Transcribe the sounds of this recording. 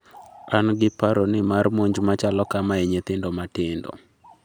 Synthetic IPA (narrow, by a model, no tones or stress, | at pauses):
anɡɪpaɾonɪmarmoɲd͡ʒmat͡ʃalɔkamaɛɲet̪ɪndɔmatɪndɔ̰